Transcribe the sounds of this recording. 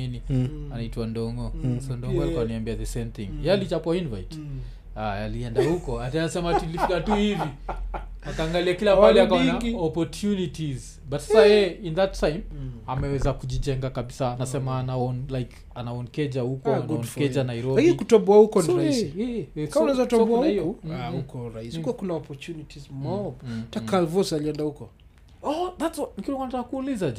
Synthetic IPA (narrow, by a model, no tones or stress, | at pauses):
inianaitwandɔŋɡɔsɔndɔɡɔalikuaniambiaðəsẽmθiŋjalit͡ʃapɔinvajt | aaliɛndahukɔatanasɛmatulifikatuhivi | akaːŋɡaliakilapalɛakaɔnɔpɔɾtʰjunitiz | batsasajɛinðatʰajmamɛwɛzakuʄid͡ʒɛŋɡakaɓisaːnasɛmaːnaɔnlajk | anaɔnkɛd͡ʒahukɔɡunkɛd͡ʒanaiɾɔlakinikutɔmbuahukɔniɾaiɛɛkamunazautabuahnahijɔuahukɔɾaiskuwakunaɔpɔɾtunitizmɔtakalvɔsaliɛndahukɔ | ɔðatswɔnikulɔŋkɔnatakakuːlizad͡ʒu